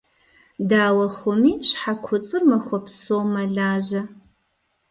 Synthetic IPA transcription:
daːwɐχʷʊmiːɕħakʷʰʊt͡sʼɨrmɐxʷɔpsoːmɐɮaːʑɐ

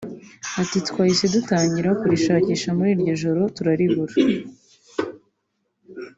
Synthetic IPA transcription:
atitkwaːjise̞dutaːɲɟiɾakuɾiʃaːciːʃamuɾiːɾɟo̞ʒo̞ɾo̞tuɾaɾiβuɾa

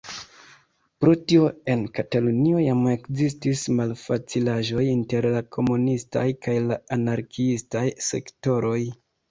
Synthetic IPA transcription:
pɾo̞tio̞e̞nkatalunio̞jame̞kzistismalfat͡silaʒo̞jinte̞ɾlakʰo̞munista̰jkajlaanaɾkʰiistajse̞̰kto̞ɾʔo̞j

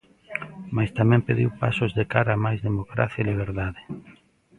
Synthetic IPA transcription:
majst̪amɛ̃mpeðiwpa̰sozðekaɾaːmajzðemokɾa̰θjailiβ̞eɾðaðe

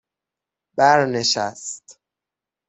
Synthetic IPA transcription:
bæɾneʃæst̪

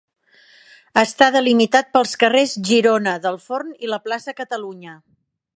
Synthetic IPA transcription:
əst̪aðəlimit̪at̪̚pəlˠskərezʒiɾonəðəlˠforniləplasəkət̪əluɲə

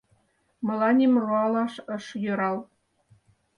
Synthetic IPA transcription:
mɤ̆lɑnʲimroɑlɑʃɤ̆ʃjø̆ɾɑl

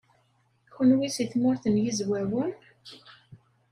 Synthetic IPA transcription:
xənwisiθmʊɾθənjizwæwən

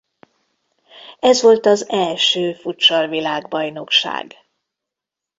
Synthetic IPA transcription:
ɛzʋo̞lt̪ɒzɛlʃøːfut̪t͡ʃɒlvilaːɡbɒjno̞kʃa̰ːɡ

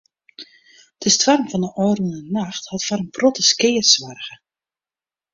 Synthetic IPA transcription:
d̥əstwarmvɔndəʔɔːrənənaxthɑtfarəmprotəskɪːərsʋarɣə

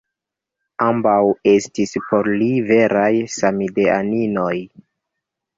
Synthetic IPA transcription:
ambawe̞stispo̞ɾlive̞ɾʔajsamidea̰nino̞j

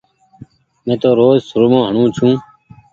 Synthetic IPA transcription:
mẽːt̪oːɾoːzsʊɾmõːɦəɳũːt͡ʃʰũː

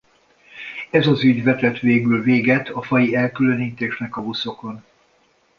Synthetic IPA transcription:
ɛzɒzyɟvɛt̪ɛt̪ʋeːɡylveːɡɛt̪ʰɒfɒjiɛlkyløniːt̪eːʃnɛkɒvuso̞ko̞n

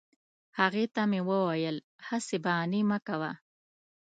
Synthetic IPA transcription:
haɣet̪amewəwajəl | hasebanimakawa

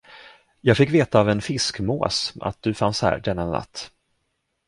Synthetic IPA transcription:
jɑːɡfɪkːveːt̪aːvɛnfɪskmo̰ːsa̰t̪̚d̪̥ɵfanshæ̰ːɾɖɛnːana̰t̪ː

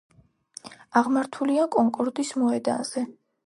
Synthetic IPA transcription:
aʁmaɾt̪ʰuliakʼɔŋkʼɔɾd̪ismɔɛd̪a̰z̥ɛ

